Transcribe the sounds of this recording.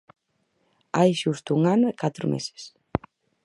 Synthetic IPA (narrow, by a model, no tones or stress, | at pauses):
ajʃust̪ʊuŋanɐkat̪ɾʊmḛsɪ̥s